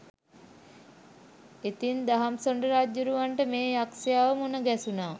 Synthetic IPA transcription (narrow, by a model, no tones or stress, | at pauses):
et̪ind̪aɦamsoɳɖəɾaːd͡ʒjuɾuʋaɳʈəmeːjaksijaʋəmunəɡæsunaː